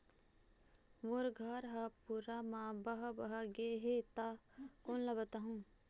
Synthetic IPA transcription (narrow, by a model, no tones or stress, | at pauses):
moɾɡʱəɾɦɐpuːɾamãbɐɦɐbɐɦaɡeɦet̪akoːnlɐbət̪aɦũː